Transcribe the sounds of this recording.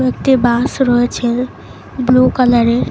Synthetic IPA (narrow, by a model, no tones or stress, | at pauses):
ekt̪ebasɾɔɦet͡ʃʰɛ | blukələɾe